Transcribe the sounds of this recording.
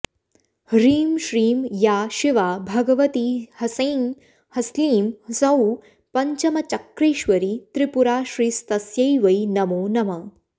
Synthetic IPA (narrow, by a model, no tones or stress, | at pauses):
ɾiːmʃɾiːmjaːʃɪʋaːbʱɐɡɐʋɐt̪ihɐsɐːn | hɐsliːmsɐw | pɐɲt͡ʃɐmɐt͡ʃɐkɾeːʃʋɐɾit̪ɾipuɾaːʃɾiːst̪ɐsjɐjʋɐjnɐmoːnɐmɐ